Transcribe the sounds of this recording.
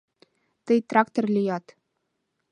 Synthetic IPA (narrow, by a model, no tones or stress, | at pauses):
t̪ɤjt̪rɑkt̪orlʲijɑt̪